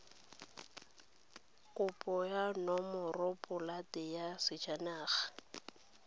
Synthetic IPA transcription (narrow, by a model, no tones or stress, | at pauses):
kʼʊpʼɔjanɔmʊrʊpʼʊlatʼɪjasɪd͡ʒanaːɣḁ